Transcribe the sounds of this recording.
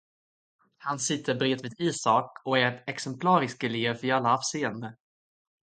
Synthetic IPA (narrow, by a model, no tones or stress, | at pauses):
hansɪt̪ʰːəɾbɾeːd̪viːd̪iːsɑkɔæɾɛksɛmpʰlɑːɾɪskɛleːvvɪalːaɑːvseːənd̪ə